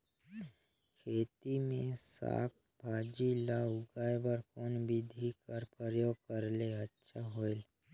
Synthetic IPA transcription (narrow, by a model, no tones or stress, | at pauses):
kʰeːt̪imẽsa̰ːk̚ʰ | bʱaːd͡ʒilaʊɡaːjbəɾkoːnbɪd̪ʱikəɾpəɾjoːɡ̚kəɾleɐtːʃʰaɦoːel